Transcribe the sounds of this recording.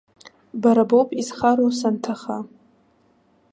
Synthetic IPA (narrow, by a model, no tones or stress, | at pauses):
baɾabopʼizχaɾowsantʰaχa